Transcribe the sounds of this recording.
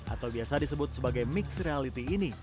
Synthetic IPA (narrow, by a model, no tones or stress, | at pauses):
ʔa̰t̪awbiasadisəbʊt̪̚səbaɡajmɪksrealit̪iːni